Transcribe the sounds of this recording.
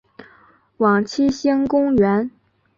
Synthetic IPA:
wɑ˨˩ŋt͡ɕʰi˥ɕi˥ŋkʊ˥ŋɥɛ˧˥n

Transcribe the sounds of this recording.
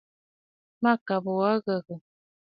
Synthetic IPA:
ma˦˨ka˨bə˨wa˦ɣə˨ɣə˨

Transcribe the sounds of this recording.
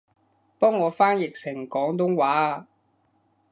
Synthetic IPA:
pɔː˥ŋːɔː˨˧faː˥njɪ˨k̚t͡sʰɪ˨˩ŋkɔː˨˥ŋt̪ʊ˥ŋwaː˨˥˨

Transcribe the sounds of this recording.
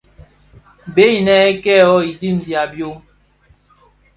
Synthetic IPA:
be˦i˨nɛ˨˦ɛ˦kɛ˦˨ɔ˦i˨di˦˨m˨zja˨bjo˦

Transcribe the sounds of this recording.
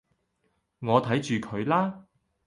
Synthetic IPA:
ŋɔː˨˧t̪ʰɐ˨˥jt͡ʃyː˨kʰɵ˨˧ɥlaː˥

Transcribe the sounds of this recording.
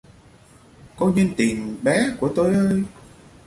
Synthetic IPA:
kɔ˧ɲə˧nt̪i˨˩ənɓaː˨˦ku˧˩ət̪o˧jʔəː˧j

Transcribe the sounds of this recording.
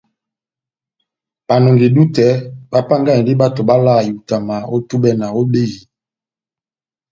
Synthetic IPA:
ba˨no˨ŋɡi˨du˦tɛ˦ba˦pa˦ŋɡa˦˨di˦ba˦to˨ba˦la˦˨ju˨ta˨ma˨o˦tu˦bɛ˦na˨o˦be˦ji˨

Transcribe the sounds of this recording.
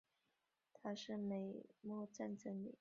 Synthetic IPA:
t̪ʰa˥ʂɻ̩˥˩me˨˩ɪmwɔ˥˧t͡sa˥˧nt͡sə˥˩ŋlḭ˨˩˦

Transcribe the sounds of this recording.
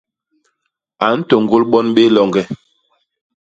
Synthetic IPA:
a˨n̩˦tɔ˨ŋ˨ɡo˦lɓɔ˦nɓe˦lɔ˨ŋɡɛ˦˨

